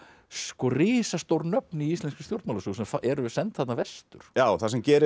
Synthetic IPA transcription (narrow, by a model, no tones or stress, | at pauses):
skɔriːsast̪owɾnœpnɪiist̪ɛnskʏst̪jowɾt̪mawlasusɛmfaɛɾʏsɛnt̪θat̪navɛst̪ʏ̰ɾ̥jaːwθasɛmcɛːɾɪ